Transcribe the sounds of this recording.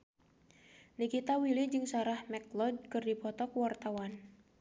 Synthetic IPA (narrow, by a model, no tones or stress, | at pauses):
nikit̪awilid͡ʒɨŋsaɾahmɛklɔd̚kɨrdipɔt̪ɔkuwart̪awan